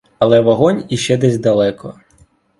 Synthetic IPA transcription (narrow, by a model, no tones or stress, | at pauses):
ɐlˠɛʋɔɦɔnʲiʃt͡ʃɛd̪ɛzʲd̪ɐlˠɛkɔ